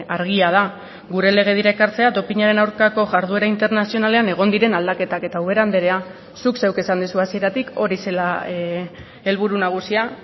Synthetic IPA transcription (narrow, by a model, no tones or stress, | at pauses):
aɾɣiaða | ɣuɾe̞le̞ɣ̞e̞ð̞iɾaekaɾt͡seat̪o̞piɲaɾe̞nawɾkako̞ʝaɾðue̞ɾaint̪e̞ɾnasio̞nale̞ane̞ɣ̞o̞nd̪iɾe̞nald̪ake̞t̪ake̞t̪auβ̞e̞ɾand̪eɾe̞a | sukse̞wke̞sand̪isuasie̞ɾat̪iko̞ɾise̞la | e̞lβ̞uɾunaɣ̞usia